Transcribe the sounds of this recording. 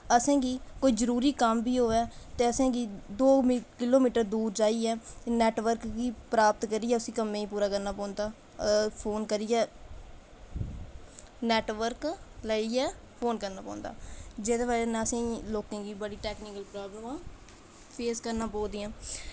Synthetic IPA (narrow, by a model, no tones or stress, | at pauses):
əsẽːɡiːkoːiːzəɾuːɾiːkəmbiːɦoːɛːt̪eːəsẽːɡiːd̪oːmkɪloːmiːʈəɾd̪uːɾd͡ʒaːiːɛːnɛːʈʋəɾkɡiːpɾaːpət̪kəɾiːɛːʊsĩːkəmẽːiːpuːɾaːkəɾnaːpɔːnd̪aː | pʰoːnkəɾiːɛː | nɛːʈʋəɾkləiːɛː | pʰoːnkəɾnaːpɔ̰̃ːnd̪a̰ːd͡ʒeːd̪eːbaːɾeːnɛ̃ːəsĩːloːkẽːɡiːbəɽiːʈɛːknɪkəlpɾaːbləmãː | pʰeːskəɾnãːpɔːd̪iːãː